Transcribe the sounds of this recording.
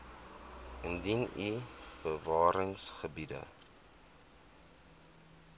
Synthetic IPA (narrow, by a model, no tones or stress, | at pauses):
əndinibərvɑːɾəŋsχəbidə̰